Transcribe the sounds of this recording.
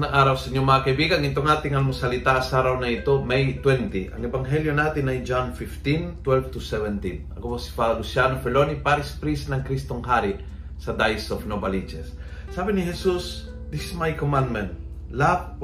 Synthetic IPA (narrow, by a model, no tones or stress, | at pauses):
nɐŋʔaːɾɐwsɐiɲːomɐŋakɐibiːɡɐŋɪnt̪oŋaːt̪ɪŋɐlmosɐlɪt̪asaːɾawnɐɪt̪omɛjt̪wɛnt̪iʔɐ̰ŋɛbɐŋɦɛljonaːt̪ɪnɐjd͡ʒanfift̪int̪wɛlft̪usɛvɛnt̪inɐ̰koposi̥falʊsjanofɛlonipaɾɪspɾisnɐŋkɾist̪oŋɦaːɾi | sɐd̪ajsofnobalit͡ʃɛsː | aːbɪniɦɛsus | d̪ɪsɪsmajkomãnd̪mɛ̃nt̪̚ | lap̚